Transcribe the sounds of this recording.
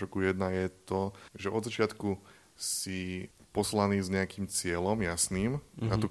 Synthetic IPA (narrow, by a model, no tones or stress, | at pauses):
ɔkujɛd̪najɛt̪ɔʒɛɔd̪zat͡ʃɪat̪ku | sipɔslaniːzɲɛakiːmt͡sɪɛlɔmjasniːmat̪u